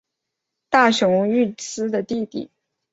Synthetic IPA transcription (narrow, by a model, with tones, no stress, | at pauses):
t̪a˥˩ɕʊ˧˥ŋy˥˩t͡sɹ̩˥d̪ə˨t̪i˥˧t̪ḭ˨˩˦